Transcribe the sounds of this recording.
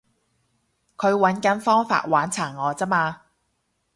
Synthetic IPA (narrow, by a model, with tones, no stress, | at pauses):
kʰɵ˨˧ɥwɐ˨˥nkɐ˨˥nfɔː˥ŋfa̰ː˧t̚waː˨˥nt͡sʰaː˨˩ŋːɔː˨˧t͡sɐ˥maː˧